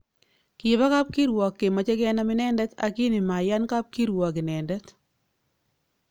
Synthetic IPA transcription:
kɪ˨ba˦ka˦p̚ki˦ɾwɔ˨kːe˨ma˨t͡ʃe˦kɛ˦na˦mɪ˦nɛ˦ndɛ˦ta̰˨ki˦ni˨ma˨ja˦nka˦p̚ki˦ɾwɔ˨k̬ɪ˨nɛ˨ndɛ˦t

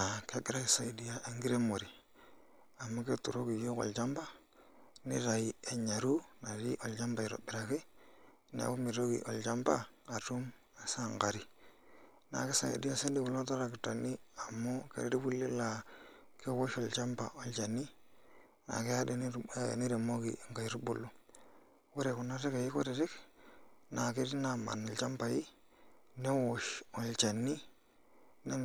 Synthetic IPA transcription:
a˨ke˦ɡi˦ɾa˦ki˨sa˦i˨di˦ja˦ʔe˦ŋɡi˦ɾe˦mo˨ɾi˨ | a˨mːo˦ke˦tu˨ɾo˦ki˨jo˦ko̰˨lt͡ʃa˦mba˦ | nḭ˦ɾa˨ji˨e˨ɲa˨ɾu˦na˨ɾi˦ʔo˨lt͡ʃa˦mba˨i˨ɾo̰˨bi˨ɾa˨ke˦ | n˨a̰˨bo˦mi˨ɾo˦kḭ˨ʔo̰˨lt͡ʃa˦mba˦a˨tu˦m | a˨sa˦˨ŋka˨ɾi˨ | na̰˨ke˦sa˦ŋḛ˨di˦a˦se˦ndi˦ku˨lo˦ta˦ɾa˨ki˨ta˨ni˦a˨mːo˦kḛ˨ɾe˦di˦ku˦lːe˦la˨ | ke˦wo˦ʃɔ˨lt͡ʃa˦mpa̰˨o˨lt͡ʃa˨nːi˦ | na̰˨ke˦ja˦de˨n̰˦˨ni˦ɾe˨mo˦kḭ˨ŋka˨ɾu˦bṵ˨lu˦ | we˦ɾe˨kʊ˨na˦ɾe˦ka˨ji˦ko˦ɾe˨ɾɪ˦k | na˨ki˦ɾi˦na˨ma̰˨nɔ˨lt͡ʃa˦mpa˨ji˦ | ne˦wo˦ʃɔ˨lt͡ʃa˨nːi˦ | ne˦n

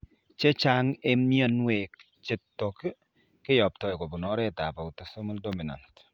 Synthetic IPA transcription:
t͡ʃɛ˦t͡ʃa˦ŋe˦mjɔ˦nwe˨k | t͡ʃe˨˦tːɔ˨k | kɪ˦jɔ˨p̚tɔ˨jko˨pu˨nɔ˦ɾɛ˦ta̰˨pa˨u˨tɔso˦mu˦ldo˦mi˨na̰˨nt

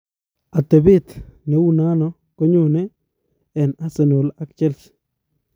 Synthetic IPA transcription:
a˨t̪ɛ˨bɪ˦t̪nɛ˨˦wu˦na˦nɔ˦ | kɔ˦ɲʊ˨nɛ˦ | ɛ˨na˦sɛ˨no˨la˦kt͡ʃɛ˦ls

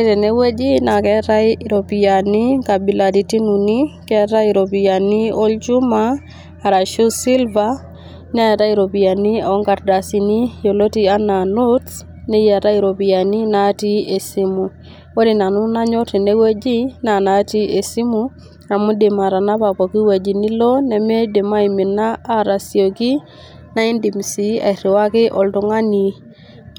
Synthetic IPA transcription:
te˨ne˦we˦d͡ʒi˦na˨kɛ˦ɾa˦iɾo˨pi˨ja˨ni˦ka˨bi˨la˨ti˨ti˦nu˨ni˦kɛ˦ta˦i˨ɾo˨pi˨ja˨ni˦ɔ˦lt͡ʃu˦maː˦˨ | ɾa˨ʃu˦si˦lva | n˦a˦ja˨ta˦i˦ɾo˨pi˨a˨ni˦ɔ˦ŋɡa˨tda˨si˨ni˦jo˨lo˦ti˦a˦na˨no˦ts | ne˦ja˨ta˦i˨ɾo˨bi˨a˨ni˦na˦ti˦e˨si˦mu˨ | wo˦di˨na˨nu˦na˦ɲɔ˦ti˨ne˦we˦d͡ʒi˦na˨na˨ti˦e˨si˦mu˦ | a˨mu˦de˨ma˨ɾa˨na˦pa˨pɔ˨ki˦we˨d͡ʒi˨ni˦lɔ˦nɛ˨me˦de˨ma˦i˨mi˨naː˦ɾa˨sjo˨ki˦ | na˦i˦ndi˨m˨si˨a̰˨i˨ɾi˨wa˦kɪ˦ʔɔ˨ltʊ˨ŋa˦ni˨

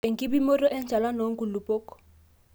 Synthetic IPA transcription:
e˨ŋ̩˨kʼɪ˦bi˦mo˦rɔ˦ʔɛ˦n̩t͡ʃa˨la˦no˨˦ŋ̩˦kʼu˨lu˨pʼɔː˦kɔ̥˦

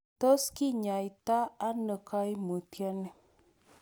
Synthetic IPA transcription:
t̪o˦ski˦ɲa˨i˨t̪aː˦nə˨ka˦jmə˨tja˦ne˨

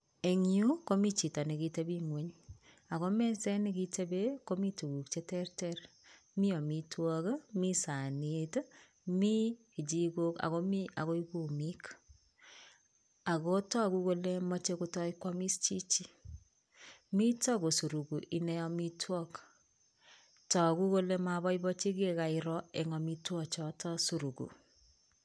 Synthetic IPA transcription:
e˨ŋiu˦ko˦mi˦t͡ʃi˨ta˨ne˨ɡi˨te˦bi˦ŋwe˨˦ɲ | a˨ɣɔ˦mɛ˦sɛ˦ne˦ki˦tʰe˦be˦ko˦mi˦tu˨ɡu˨kt͡ʃe˦tɛ˦ɾtɛɾ | mi˦ɔ˨mi˦twɔ˦kmi˦sa˨nit | mi˦˨ | d͡ʒi˦ko˦ka̰˨ɣɔ˦mi˦a˨ɣo˦i˦ku˨mi˦k | a˨ko˦tɔ˦ku˦ko˦le˦mɔ˦t͡ʃe˦ko˦tɔ˦i˦kwɔ˦mi˦st͡ʃi˦t͡ʃi˦ | mi˦tɔ˦ko˨su˨ɾu˨ɡu˨ʔi˨nɛ˦ɔ˦mi˦twɔ˦k | tɔ˨ku˦ko˦le˦ma˨bɔ˦ibɔ˦t͡ʃi˦ke˦ka˨iɾɔ˦e˨ŋɔ˨mi˦twɔ˦t͡ʃɔ˨tɔ˦su˨ɾu˨kṵ˨

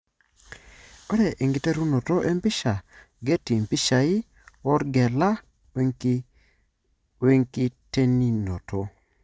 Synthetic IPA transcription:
o˦ɾɛ˨ʔi˨ŋɡi˨te˦ɾu˦no˨to˦ʔe˦mpɪ˦ʃa˨ | ɡe˦ti˨mpi˦ʃa˨i˦ | ɔ˦ɾɡɛ˨la˦ | we˦ŋki˦te˦ni˦no̰˨to˦

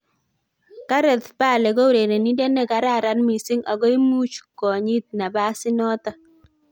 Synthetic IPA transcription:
ka˦ɾɛ˨tpa˦˨le˨ɡo˦ɾe˨ɾe˨ni˦de˦ne˦˨ka˨ɾa˦˨ɾa˦nmi˨sɪ˦ŋʔa̰˨ɡɔ˦i˦mu˦t͡ʃkɔ˨ɲi˦t̪̚na˨ba˦sɪ˦nɔ˦t̪ɔ˦

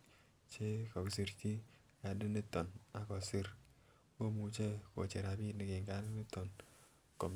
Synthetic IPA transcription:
t͡ʃe˦kɔ˨ksi˨ɾt͡ʃi˦ | ka˨di˦ni˦tɔ˨na˨kɔ˨si˦ɾ | ko˦mu˨t͡ʃe˦ko̰˨t͡ʃe˨ɾa˨bi˦ni˨kɪ˨ŋɡa˦ɾni˦tɔ˨n | ko˨m

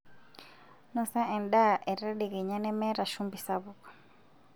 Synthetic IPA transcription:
nɔ˨sa˦ʔɛ˨nɗa˦ʔɛ˨ɾɛ˦ɗɛ˨ɣɛ˨ɲa˦nɛ˦mɛ˦ɾa˨ʃu˦mbi˨saβu˦kḁ˨

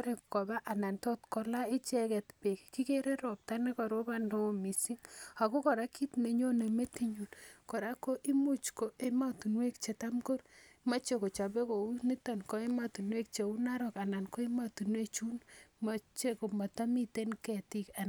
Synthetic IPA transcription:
ɾe˨kkɔ˨ba˦ʔa˨na˨ntɔ˦tkɔ˦la˦i˦t͡ʃɛ˦kɛ˨tpe˨kki˦ke˦ɾe˦ɾɔ˨p̚ta˦ne˦kɔ˨ɾo˦ba˦no˦mi˨si˦ŋa˨ko˦kɔ˨ɾa˦ki˦tne˨ɲo˦ne˨me˦ti˦ɲu˨nkɔ˨ɾa˦ko˦ʔi˦mu˦t͡ʃko˨˦e˦ma˦tu˨nwe˦k̚t͡ʃe˨ta˦mko˦rma˦t͡ʃe˦ko˨t͡ʃa˨be˦ko˨u˦ni˦ta˨nko˦e˦ma˦tu˨nwe˦k̚t͡ʃe˨u˦na˦ɾɔ˨ka˨na˨nko˦e˦ma˨tu˨nwe˦t͡ʃu˦nma˨t͡ʃe˦ko˨ma˨ta˦mi˦te˦nkɛ˨ti˦˨ka˨n

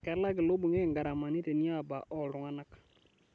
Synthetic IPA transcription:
kɛ˨˦la˦ɡɪ˨lo˦bu˨ŋe˦˨ŋɡa˨ɾa˨ma˨ni˦te˨ni˦a˦˨ba˨ʔɔ˨lʊ˨ŋa˦na˦k

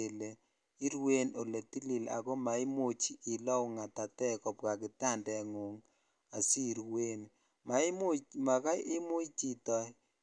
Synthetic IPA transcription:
e˨le˨ | i˦ɾwe˦no˨le˨ti˦li˨la̰˨ɡɔ˦ma˨ɪ˦mo˦t͡ʃːlɔ˦wŋa˨ta˨tɛ˦kɔ˨p̚ka˨kɪ˨ta˦˨ndɛ˨ŋo˨ŋ | a˨si˦˨ɾwe˦n | ma˨ɪ˦mo˦t͡ʃma˨ka˦ʔɪ˦mʊ˦t͡ʃi˦tɔ˦j

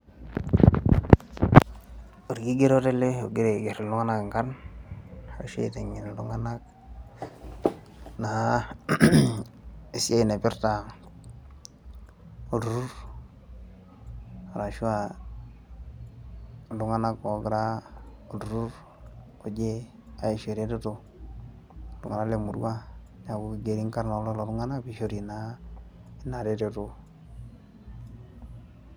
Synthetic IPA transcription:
o˨ɾɡi˦ɡe˦ɾo˦te˦le˦o̰˨ɡi˦ɾe˨ɡe˨ɾi˨lu˦ŋa˦na˦kŋka˦n | a˨ɾa̰˨ʃḛ˦ḭ˨te˨ŋi˨n˨lu˦ŋa˦na˦k | na˨a˦ | e˨si˦a˦i˨ne˨pi˦ɾta˨ | u˨du˨ɾu˦ɾ | a˨ɾa˨ʃu˦a˨ | du˨ŋa˦na˦ko˨˦ɡɾa˦ | o˨du˨ɾu˦ɾ | o˨d͡ʒe˦ | a˨e˨ʃe˨ɾe˦te˦tu˨ | dṵ˨ŋa˨na˦le˨mu˨dṵ˦wa˦ | ɲa˨ɡu˦ki˨ɡe˨ɾi˦ŋka˦ɾna˨˦lo˦lo˨ɾu˦ŋa˦na˦bi˨ʃo˦ɾi˨na˦ | i˦na˨ɾe˦te˦tu˦

